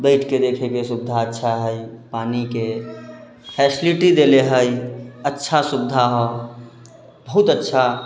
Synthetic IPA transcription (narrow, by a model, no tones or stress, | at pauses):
beɪʈked̪ekʰekesubd̪ʱaətːʃʰaɦəjpanike | pʰɛsiliʈid̪eleɦəjətːʃʰasubd̪ʱaɦɔ | bəɦut̪ətːʃʰa